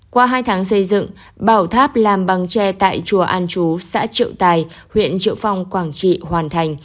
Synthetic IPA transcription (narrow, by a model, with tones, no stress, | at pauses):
kwaː˧ɦaː˧jt̪ʰaː˨˦ŋsə˧jzɨ̰˧˨ŋ | ɓaː˧˩wt̪ʰaː˦˥p̚laː˨˩mɓa˨˦ŋt͡ɕɛ˧t̪a̰ː˧˨jt͡ɕu˨˩əʔaː˧nt͡ɕu˨˦sa̰ː˧˥t͡ɕḭ˧˨əwt̪aː˨˩j | hwḭ˧˨ənt͡ɕḭ˧˨əwfa˧wŋ͡mkwaː˧˩ŋt͡ɕḭ˧˨hwaː˨˩nt̪ʰa˨˩jŋ̟